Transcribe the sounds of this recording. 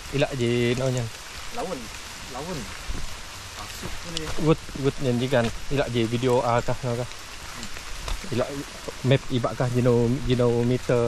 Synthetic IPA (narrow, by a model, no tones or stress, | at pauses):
ilaʔd͡ʒenoɲən | lawun | lawun | asuulɡut̪̚ɡut̪̚ɲand͡ʒiɡanilaʔd͡ʒevidioʔakahnokah | ila̰ʔ | mɛp̚iba̰ʔkahd͡ʒinowd͡ʒinowmit̪ə